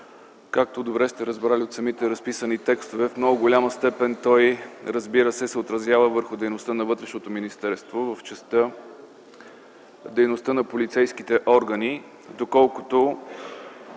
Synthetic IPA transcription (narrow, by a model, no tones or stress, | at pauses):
kak̚t̪od̪obɾɛst̪ɛɾəzbɾaliot̪sɐmit̪ɛɾɐspisənit̪ɛkst̪ovɛfmnɔɡʊɡolʲaməst̪ɛpɛnt̪ɔjɾəzbiɾəsɛsɛot̪ɾɐzjavəvəɾxʊd̪ɛjnost̪ənɐvɤt̪ɾɛʃnot̪ominist̪ɛɾst̪vovəft͡ʃɛst̪ə | d̪ɛjnost̪ənɐpolit̪sɛjsk̟it̪ɛʔɔɾɡəni | d̪okɔlˠkʊ̥t̪o